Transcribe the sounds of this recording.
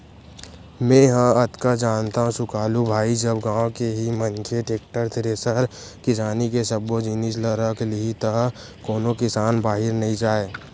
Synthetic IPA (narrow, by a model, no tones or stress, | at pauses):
mẽɦãət̪kad͡ʒaːnt̪aɦũsʊkaːlubʱaːid͡ʒəbɡãːkeɦimə̃nkʰeʈeːkʈəɾt̪ʰɪɾesəɾkɪsaːnikesəbːod͡ʒɪnis̬ləɾəkʰliit̪ə | koːnokɪsaːnbaːɦɪɾnɐɦĩd͡ʒaːeː